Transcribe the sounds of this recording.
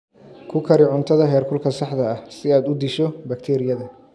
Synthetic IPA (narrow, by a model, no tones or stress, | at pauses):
kʰʊkʰɐɾɪʕʊnt̪ʰɐðɐɦɛːrkʰʊlkʰɐsɑħd̪ɐɐhsɪaːd̪ʊd̪iʃɔbɐkt̪ʰɛːɾɪjɐðɐ